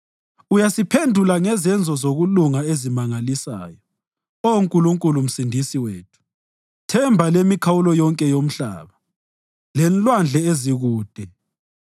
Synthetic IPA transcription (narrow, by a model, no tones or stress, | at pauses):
ujasipʰendʱulaŋɛzɛnd͡zʱɔzoɣuluŋaezimaŋalisa̰ːjɔ | ouŋkʼuluŋkʼulum̩sindʱisiweːtʰu̥ | tʰɛmbʱalemikʰawulɔjɔŋkʼɛjom̩ɬa̰ːβa | lɛnlwand͡ɮʱɛeziɣuːd̥ʱɛ